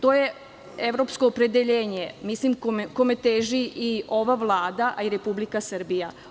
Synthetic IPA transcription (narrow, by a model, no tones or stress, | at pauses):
t̪o̞ːje | e̞ʋɾo̞psko̞ːpɾe̞d̪eʎeːɲe̞mislimkomko̞met̪eːʒiio̞ʋaʋlˠaːd̪aʔiɾe̞publikasr̩bija